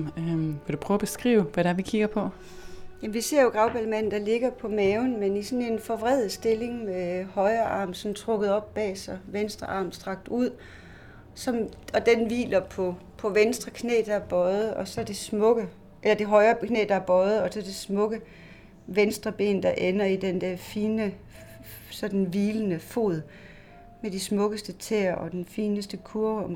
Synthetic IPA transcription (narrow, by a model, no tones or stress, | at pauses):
ʋɒd̥upʰʁœːʊb̥e̝sɡ̥ʁḭːʊʋæɾæɐʋikʰiɡ̥ɐpʰɒ̽ | jæm̩ʋise̝ɐ̰jo̝ɡ̥ʁɑ̈ʊb̥ælmæn̰n̩d̥ɑ̈le̝ɡ̥ɐpʰɒ̽mɛʊnmenisɒ̽ne̝nfɒ̽ʋʁɛð̰ˠð̩ˠsd̥e̝le̝ŋmehɒ̽ɪɐʔɑ̰̈ːmsɒ̽mt͡sʰʁɔ̽ɡ̥əð̞̩ˠɒ̽b̥ːɛ̰ːsɒʋensd̥ʁɐʔɑ̈ːmsd̥ʁɑ̈ɡ̥̚d̥uð̰ˠ | sɒ̽mɒ̽d̥enʋḭːlɐpʰɒ̽pʰɒ̽ʋensd̥ʁɐkʰne̝̰ːd̥ɑ̈æɐb̥ɒ̽ð̩ˠɒ̽sɒ̽ɐd̥esmɔ̽ɡ̥ə | ʔelɐd̥e̝ɦɒ̽ɪɐːkʰnḛːd̥ɑ̈æɐb̥ɒ̽ð̩ˠɒ̽sɒ̽ɐd̥esmɔ̽ɡ̥ə | ʋensd̥ʁɐb̥e̝̰ːnd̥ɑ̈ʔenɐid̥end̥æɐfiːnə | sɒ̽d̥n̩ʋiːlənəfo̝̰ːðˠ | med̥ismɔ̽ɡ̥əsd̥ət͡sʰḛːɐ̰ʔɒ̽d̥enfiːnəsd̥əkʰuɐɒ̽m